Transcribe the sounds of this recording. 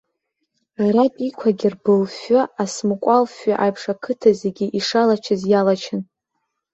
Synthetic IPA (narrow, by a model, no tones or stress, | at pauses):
arapʼikʷʰaɡʲirbɨlfaasmɨkʷʼalfʷᶣaʔajpʰʂakʰɨtʰaze̞ɡʲiʔiʂalat͡ʃʰɪzjalat͡ʃʰɪn